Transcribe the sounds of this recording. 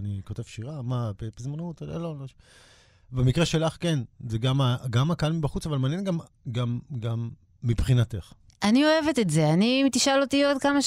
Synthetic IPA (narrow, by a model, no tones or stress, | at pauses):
nikote̞v̥ʃiʁamapepizmanut̪lelolo | bemikʁeʃelaχkenzeɡamaɡamakaalmibaχut͡savalmeaːnjenɡam | ɡamɡamː | ibχinateχ | ʔanio̞e̞vet̪etze̞animt̪iʃalo̞t̪iod̪kama